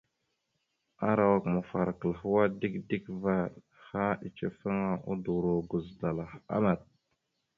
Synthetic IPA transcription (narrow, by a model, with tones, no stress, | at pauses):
a˦ɾa˨wa˦kmə˨fa˨ɾkə˨lɦu˦wa˦di˦kdi˦kva˦ɾ | ha˦i˨t͡ʃe˦fə˦ŋa˦ʔṵ˦du˨ɾo˨ɡu˨zda˨la˨a̰˦ma˨t̚